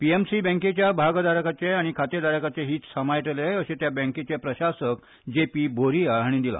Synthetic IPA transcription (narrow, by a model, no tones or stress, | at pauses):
piemsibɛ̃ŋket͡ɕjabʱaɡd̪aɾəkat͡ɕeaɽ̃ikʰat̪ed̪aɾəkat͡ɕeɦiːt̪səmajʈ̪əleəɕet̪jabɛ̃ŋket͡ɕepɾəɕasək | d͡ʑepiːbʱoɾijaːɽ̃id̪ila̰